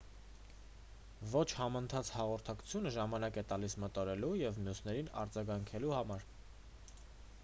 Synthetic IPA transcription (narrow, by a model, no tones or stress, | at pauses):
vɔt͡ʃʰhɑmənt̪ʰɑt͡sʰhɑʁɔɾt̪ʰɑkt͡sʰjunəʒɑmɑnɑkɛt̪ɑlismət̪ɔɾɛlujɛvmjusnɛɾinɑ̰ɾd͡zɑɡɑŋkʰɛluhɑmɑɾ